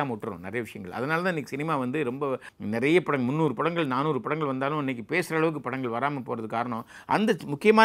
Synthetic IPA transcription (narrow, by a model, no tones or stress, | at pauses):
aːmʊʈːɯɾõ̰nɪɾɐjɐʋɪʂɐjɐŋɡɐɭɐ̰ðɐnaːlɐt̪ãːɪnːikːɯsɪnɪmaːʋɐnd̪ɯɾɔmbɐ | nɪɾɐjɐpɐɽɐŋmʊnːuːɾɯpɐɽɐŋɡɐɭnaːnuːɾɯpɐɽɐŋɡɐɭʋɐnd̪aːlʊ̃ɪnːɛk̬ːipeːsɾɐːɭɐʋɯk̬ːɯpɐɽɐŋɡɐɭʋɐɾaːmɐpoːɾɐðɯkaːɾɐɳõ | ʔɐ̰nd̪ɐmʊkːɪjɐmaː